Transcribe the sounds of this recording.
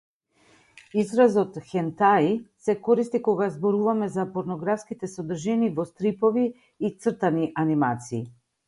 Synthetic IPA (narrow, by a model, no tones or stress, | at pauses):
izɾazɔt̪xɛnt̪aisɛkɔɾist̪ikɔɡazbɔɾuvamɛzapɔɾnɔɡɾafskit̪ɛsɔd̪r̩ʒɛnivɔst̪ɾipɔviː | t̪srt̪aniʔanimat̪siː